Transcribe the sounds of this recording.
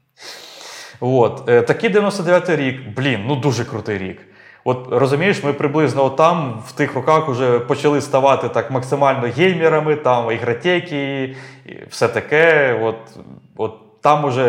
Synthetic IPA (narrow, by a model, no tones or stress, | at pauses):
ʋot̪t̪ɐkɪijd̪eʋʲjnɔst̪ɔd̪eʋʲjat̪ɪjɾʲikblʲinnud̪uʒɛkɾʊt̪ɪjɾʲḭk | ɔt̪rɔzʊmʲijɪʃmɪpɾɪblˠɪznɔɔt̪ːɑmwt̪ɪxrɔkɑxʊʒɛpɔt͡ʃɐlˠɪst̪ɐʋɑt̪ɪt̪ɑkmɐksɪmɑlʲnɔɦʲejmʲiɾɐmɪt̪ɑmiɣɾɐtʲɛjkʲiḭw̥sɛt̪ɐkɛɔt̪ɔt̪ːɑmʊʒɛ